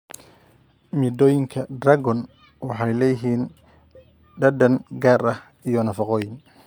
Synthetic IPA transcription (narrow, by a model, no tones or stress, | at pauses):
miːd̪ɔːjɪŋkʰɐd̪raːɡɔn | wɑħɑjlɛːjɪɦiːn | ɖɐɖɐnɡaːrɐh | ijɔnɐfɑqɔːjɪn